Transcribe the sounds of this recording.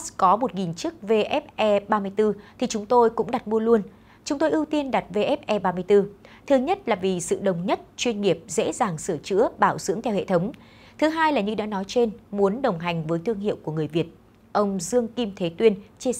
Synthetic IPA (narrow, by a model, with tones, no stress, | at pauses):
kɔ˨˦mo˨˩t̚ŋi˨˩nt͡ɕɨ˦˥k̚ve˧ʔɛ˦˥p̚ʔɛ˧ɓaː˧mɨ˧əjt̪ɨ˧t̪ʰi˨˩t͡ɕʊ˨˦ŋ͡mt̪o˧jkʊ̰˧˥ŋ͡mɗa˨˩t̚mu˧əlu˧ən | t͡ɕʊ˨˦ŋ͡mt̪o˧jʔɨ˧wt̪i˧ənɗa˨˩t̚ve˧˩ʔɛ˦˥p̚ʔɛ˧ɓaː˧mɨ˧əjt̪ɨ˧t̪ʰɨ˨˧˦ɲə˦˥t̚laː˨˩vi˨˩sɨ̰˧˨ɗə˨˩wŋ͡mɲə˦˥t̚t͡ɕwi˧ənŋi˨˩əp̚zḛ˧˥zaː˨˩ŋsɨ˧˩ət͡ɕɨ̰˧˥əɓaː˧˩wzɨ̰˧˥əŋt̪ʰɛ˧whḛ˧˨t̪ʰə˨˦wŋ͡m | t̪ʰɨ˨˦ɦaː˧jlaː˨˩ɲɨ˧ɗa̰ː˧˥nɔ˨˦jt͡ɕe˧nmu˨˦ənɗə˨˩wŋ͡mɦa˨˩jŋ̟vəː˨˦jt̪ʰɨ˧əŋɦḭ˧˨əwku˧˩əŋɨ˨˩əjvi˨˩ət̚ | ʔə˧wŋ͡mzɨ˧əŋki˧mt̪ʰe˨˦t̪wi˧ənt͡ɕi˧